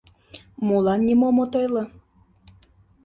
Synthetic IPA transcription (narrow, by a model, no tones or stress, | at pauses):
mulɑnːʲimomot̪ɤjlɤ̆